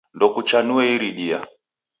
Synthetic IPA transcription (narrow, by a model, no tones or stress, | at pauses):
ndɔkut͡ʃanuɛiɾiɗia̰